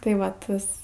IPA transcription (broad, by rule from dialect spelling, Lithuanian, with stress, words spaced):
tɐɪ ˈʋɐ ˈtɐs